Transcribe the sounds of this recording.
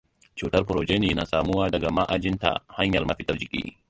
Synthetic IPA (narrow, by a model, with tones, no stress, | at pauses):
t͡ʃuː˨tɐ˦rɸʊ˨ɾoː˨d͡ʒeː˦niː˨na˨saː˨mu˦waː˦dɐ˨ɡa˨ma˦ʔa˨d͡ʒɪ˦nta̰˨ha˦ɲjɐ̰˨rmɐ˦ɸɪ˦tɐ˦rd͡ʒɪ˨kʲʼḭː˦